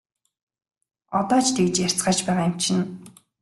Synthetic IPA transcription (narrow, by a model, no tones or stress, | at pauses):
ɔt̪ɔːt͡ɕʰt̪ʰekɘ̆t͡ɕjær̥ʲt͡sɢaːt͡ɕpæːʁaːjʊm̥t͡ɕʰɪ̆n